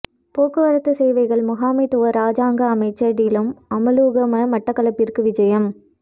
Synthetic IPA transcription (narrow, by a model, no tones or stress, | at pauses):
poːkɯʋɐɾɐt̪ːɯsɛːʋɐɪɣɐɭmʊɣaːmɪt̪ːɯʋɐɾaːd͡ʒaːŋɡɐːmɐɪt͡ʃːɐɽɪlɯmɐmɐluːɣɐmɐmɐʈːɐkːɐlɐpːɪɾkɯʋɪd͡ʒɐjɐm